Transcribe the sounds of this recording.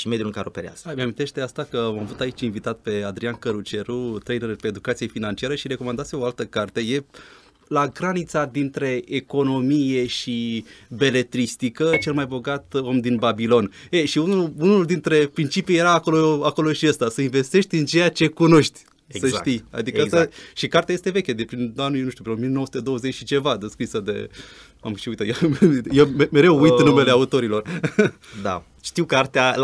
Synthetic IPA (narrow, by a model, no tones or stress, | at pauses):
ʃime̞d̪julkaɾeopeɾea̰z̥ə̥ameamint̪eʃt̪east̪akəmamvut̪ait͡ʃʲinvit̪at̪̚pe̞ad̪ɾiankəɾut͡ʃe̞ɾut̪ɾejneɾupeed̪ukat̪sijefinant͡ʃiaɾəʃiɾe̞ko̞mand̪at̪sioalt̪əkart̪e̞je̞ | laɡɾanit̪sad̪int̪ɾe̞ːko̞no̞mije̞ʃibe̞le̞t̪ɾist̪ikət͡ʃe̞lmajbo̞ɡat̪o̞md̪inbabilo̞neʃiunuunuld̪int̪ɾe̞pɾint͡ʃipije̞ɾaːko̞loako̞lo̞ʃiəst̪asəinve̞st̪e̞ʃt̪ʲɨnt͡ʃe̞jat͡ʃe̞kuno̞ʃt̪ʲ | səʃkt̪ija̰d̪iəat̪aʃikart̪eaje̞st̪e̞ve̞kʲəd̪epɾinanujenuʃt̪upɾinomienoosut̪e̞d̪o̞wəzet͡ʃʃit͡ʃe̞vad̪eskɾisəd̪e̞̰ | a̰mʃiuijt̪əjejememe̞ɾewujt̪nume̞le̞aut̪o̞ɾilo̞r | d̪a̰ | ʃt̪iwkart̪ea